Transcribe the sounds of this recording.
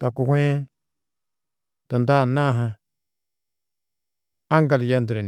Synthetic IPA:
ta˨ku˨hʷe˦ | tə˨nda˦˨na˦˨ɦa˦ | a˦ŋ˦ɡa˨lja˦n˦də˨ɾe˨n

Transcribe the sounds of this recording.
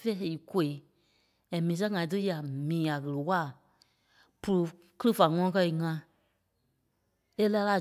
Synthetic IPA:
fɛ˦˨i˨ko˨˧˨e˨˦ | ɛ̃˨mĩː˨˦s̬ɛ̃˦ŋã˨ĩ˦t̬ɨ˦ja˨mĩː˨a˨ɣɨ˨ɾɨ˨wa˦˨ | pu˧ɾu˨ | kɨ˦ɾɨ˦fa˨ŋɔ̃˧˦ɔ̃˦kɜ˧i˨ŋã˧ | e˦la˧˦la˧˨

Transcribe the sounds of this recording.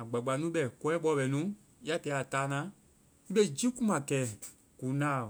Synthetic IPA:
a˨ɡ͡ba˨ɡ͡ba˨˦nũ˦ɓɛ˨kɔ˦ɛ̃˦ɓɔ˧˦˨ɓɛ˨nũ˦ | a˦tɛ˨˦a˨taː˦nã˦ | i˦ɓe˦˨d͡ʒi˦ku˦mã˨kɛː˨˦ | ku˨˦nã˦˨

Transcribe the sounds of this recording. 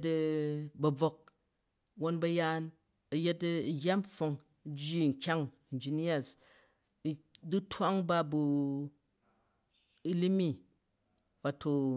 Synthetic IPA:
t̬bɐ˧˨b͡vo˧k̚ | wo˦nbɐ˧jaː˦n | ɐ˧je˦tːjʲa˦mfo˧ŋ˦ | d͡ʒi˦˨ŋ̩˨kʲa˦ŋ | i˨n˨d͡ʒi˨˦ni˦a˦˨s | du˦tʰʷa˦ŋba˦bu˨ | i˦li˦mi˦ | wa˨tʰo˧

